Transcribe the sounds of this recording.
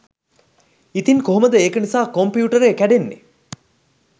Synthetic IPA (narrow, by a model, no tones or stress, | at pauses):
it̪inkoɦoməd̪əeːkənisaːkompijuːʈəɾeːkæɖenːḛ